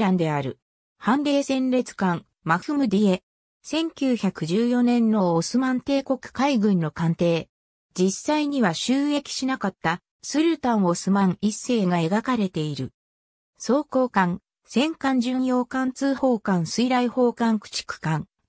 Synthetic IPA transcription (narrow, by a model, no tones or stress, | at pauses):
ɾãnd̪e̞aɾɯ̟̰ | hãnɾe̞ːsẽ̞nɾe̞t͡sɨ̥kãŋ | maɸɯ̟mɯ̟d̪ʲie̞ | sẽ̞ŋkʲɨːçakɯ̟ʑɨːjo̞nẽ̞nːo̞ːsɨmãnt̪e̞ːko̞kɯ̟̥kaiɡɯ̟̃nːo̞kãnt̪e̞ː | d͡ʑisːaiɲ̟iβaɕɨːe̞kʲi̥ɕinakat̪ːa | sɨɾɯ̟t̪ãɰ̃o̞sɨmãŋisːe̞ːɡae̞ɡakaɾe̞t̪e̞iɾɯ̟̰ | so̞ːko̞ːkãŋ | sẽ̞ŋkãɲ̟d͡ʑɨ̃ɰjo̞ːkãnt͡sɨːho̞ːkãɰ̃sɨiɾaiho̞ːkãŋkɯ̟̥t͡ɕi̥kɯ̥kãŋ